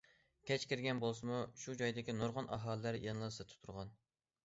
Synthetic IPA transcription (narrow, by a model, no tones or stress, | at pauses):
kʲʰɛt͡ʃkʲiɾɡʲɛnbolˠsɨmuʃud͡ʒɑjd̪ɪkʲinoɾʁɑnʔɑɦɑːlˠəːæɾjɑnlˠɑsɨt̪ʰu̥t̪ʰuɾʁɑn